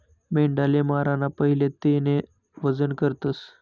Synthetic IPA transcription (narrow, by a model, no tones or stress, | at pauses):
meɳɖalemaɾanapəɦilet̪ene | ʋəd͡zənkəɾt̪əs